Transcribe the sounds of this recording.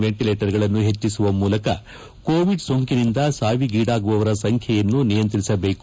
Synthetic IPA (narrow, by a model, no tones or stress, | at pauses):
ʋeɳʈileːʈɐɾɡɐɭɐnːuɦe̞t͡ʃːisuʋɐmuːlɐkɐ | koːʋiɖsoŋkinind̪ɐsaːʋiɡiːɽaːɡuʋɐʋɐɾɐsɐŋkʰjɐjɐnːunijɐnt̪ɐɾisɐbe̞ːk